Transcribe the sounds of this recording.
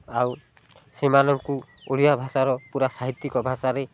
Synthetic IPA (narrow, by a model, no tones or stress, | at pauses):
aw | semanɔŋku | olijabʱasaɾɔpuɾasaɦit̪ːikɔbʱasaɾe